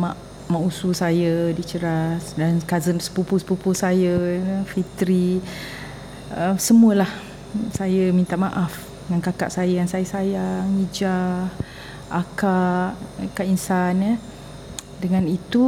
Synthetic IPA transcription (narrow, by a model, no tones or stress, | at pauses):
maʔ | mãʔususajədit͡ʃəɾasdankazənsə̥pupuspupusajəəfit̪ɾi | əmsəmuəlah | sajəmĩnt̪aʔmaʔaf | dəŋankaka̰ʔsajəjaŋsajəsajaŋid͡ʒa | ʔakaʔkaʔinsanə | dəŋãnit̪u